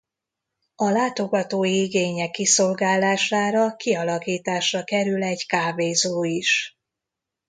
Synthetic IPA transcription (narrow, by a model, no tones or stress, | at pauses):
ɒlaːt̪o̞ɡɒt̪oːjiiɡeːɲɛkːiso̞lɡaːlːaːʃaːɾɒkʰiɒlɒkiːt̪aːʃrɒkɛɾylɛɟkaːveːzoːiʃ